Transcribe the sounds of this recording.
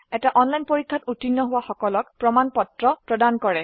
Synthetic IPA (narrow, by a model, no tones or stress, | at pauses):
ɛtaʔɔnlajnpoɹikʰːatutinːɔɦʊwaxɔkɔlɔkpɹɔmanpɔtɹɔpɹɔdankɔɹɛ